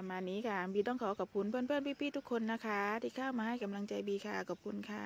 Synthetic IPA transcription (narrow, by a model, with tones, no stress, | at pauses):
a˧maː˧nːiː˦˥kʰa˥˩biː˧˩dɔː˧˥˩ŋkʰɔː˨˦wkɔː˨˩p̚kʰu˧npʰɤː˥˩˨npʰɤː˥˩˨npʰiː˦˥˩pʰiː˥˩t̪ʰu˦˥kʰːo˧nːa˦˥kʰa˦˥t̪ʰiː˧˩kʰaː˥˩wmaː˧ha˥˩jka˧mla˧ŋt͡ɕa˧jbiː˧kʰa̰ː˧˩kɔː˨˩p̚kʰu˧nkʰa˧˩